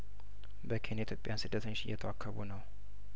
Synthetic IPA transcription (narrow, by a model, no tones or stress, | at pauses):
bəkʰe̞nit̪jo̞pʼjansɨd̪ːət̪ʰəɲːot͡ʃɪjːɛt̪ʰəwakʰːəβunəw